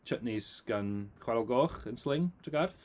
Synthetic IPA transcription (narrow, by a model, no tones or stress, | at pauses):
t͡ʃʰəʔniz̥ɡ̥anχwaɾlˠɡɔχənslɪŋtʰəɡarθ